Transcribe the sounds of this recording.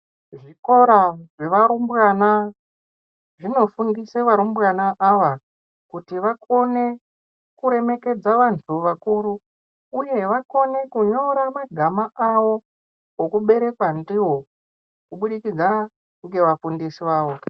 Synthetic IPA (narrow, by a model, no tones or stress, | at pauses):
ʐiko̞ɾaʐe̞ʋaɾumbɣana | ʐino̞fundiseʋaɾumbwanaʔaʋa | kutiʋako̞ne̞ | kuɾe̞me̞ke̞d͡zaʋantʰuʋakuɾuː | je̞ʋako̞ne̞kuɲo̞ɾamaɡʱamaʔaʋo̞ | ɦokuɓe̞ɾe̞kwandiɦo̞ | kuɓuɗikid͡za | ŋɡe̞ʋafundisiʋaːʋo̞